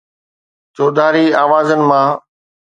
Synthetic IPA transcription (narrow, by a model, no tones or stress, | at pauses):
t͡ɕoːd̪ʱaːɾiaːʋaːzənɪ̆mãː